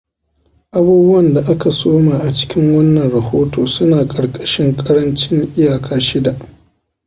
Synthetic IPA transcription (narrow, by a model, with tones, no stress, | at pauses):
ʔa˦buː˦bʊ˦wɐ˨nda˨ʔa˦ka˨soː˦maː˨ʔa˨t͡ʃɪ̥˦kʲɪ˦ŋwɐ˦nːɐ˨nɾɐ˨hoː˦toː˨sʊ˦naː˨kʼɐ˨ɽkʼɐ˦ʃɪ˦ŋkʼɐ˦ɽɐ˦nt͡ʃɪ˦ŋʔɪ˦jaː˨kʰaː˦ʃɪ˦da˨ʔ